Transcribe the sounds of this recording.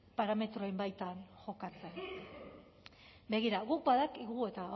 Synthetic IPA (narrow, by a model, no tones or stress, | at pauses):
paɾame̞t̪ɾo̞embajt̪anʝo̞kat͡sen | be̞ɣ̞iɾaɣuk̚baðakiɣue̞t̪a